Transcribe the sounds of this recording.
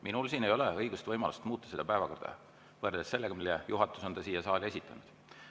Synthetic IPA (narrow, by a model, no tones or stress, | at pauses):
minulsiːne̞jo̞leɤjɡ̥ust̪vɤjmɑlust̪muːt̪ˑːɑsed̪̥ɑpæevɑkord̪ɑ̰ | vɤɾd̪esːe̞lːeɡɑmilejuɦɑt̪ːˑuso̞nt̪ɑsiːjɑsɑːlʲe̞sit̪ʰːˑɑnud̪̥